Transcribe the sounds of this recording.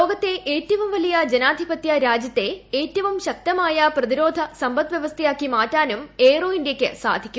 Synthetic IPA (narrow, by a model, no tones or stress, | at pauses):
lo̞ːɡɐt̪ːe̞ʔeːtːɐʋumʋɐlijɐd͡ʑenaːd̪ʱibɐt̪jɐɾaːd͡ʑjɐt̪ːe̞eːtːɐʋumɕɐk̚t̪ɐmaːjɐprɐðiɾo̞ːd̪ʱɐsɐmbɐt̪ʋjɐʋɐst̪ʰejaːkːimaːtːaːnumeːroːindjɐkʲːɨsa̰ːd̪ʱikʲːu